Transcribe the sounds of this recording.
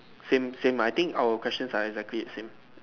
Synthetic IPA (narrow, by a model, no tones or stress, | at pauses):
sẽmsẽmajt̪ɪ̃ŋkawəkʰwɛst͡ʃə̃nsaɛɡzɛkliɛtsẽm